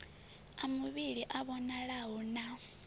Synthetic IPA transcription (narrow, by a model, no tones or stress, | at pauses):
amuβiɺiʔaβɔnaɺaɦɔna